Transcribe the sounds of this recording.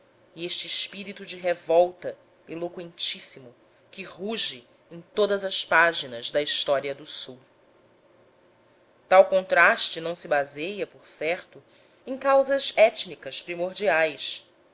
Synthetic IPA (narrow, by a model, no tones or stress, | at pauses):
ieʃt͡ʃɪːʃpiɾit̪ud͡ʒɪɦevɔwt̪ɐ | elokwẽnt͡ʃisimʊ | kɪɦuʒɪ | ẽt̪od̪ɐzɐʃpaʒinɐzd̪ɐiʃt̪ɔɾiɐd̪ʊsuw | t̪awkõnt̪ɾaʃt͡ʃɪnɐ̃w̃sɪbazejɐpoɾsɛχt̪ʊ | ẽkawzɐzɛt͡ʃnikɐʃpɾimoɾd͡ʒiajs